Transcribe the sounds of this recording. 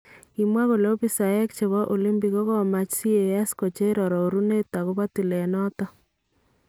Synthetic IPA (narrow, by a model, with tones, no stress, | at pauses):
i˨mwa˦ko˨lo˦bi˦sa˨je˦kt͡ʃe˨βɔ˦ʔo˨li˦mbi˨ko˦ɣɔ˦ma˦t͡ʃsi˦e˨ɛ˦sko˨t͡ʃe˦ɾɔ˨ɾɔ˨o˨ɾu˦ne˦ta˨ɣo˦βa˦ti˨le˨nɔ˦tɔ˦